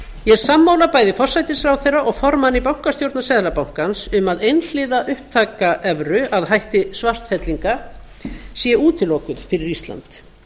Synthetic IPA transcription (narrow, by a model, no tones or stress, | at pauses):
jɛɾsamːaːwlapaːjðɪfɔr̥sajt̪ɪsfɾawθejrːaʔɔɣfɔɾmanːipawŋ̥kast̪jowɾt̪nasɛːðlapawŋ̥kansʏmaðejnl̥ɪðaʔʏhp̚t̪ʰaːkaʔɛvɾʏaðɦajht̪ɪsvar̥t̪fɛt̪liŋka | sjɛʔuːt̪ʰɪlɔːkʏðfɪɾɪɾist̪la̰nt̪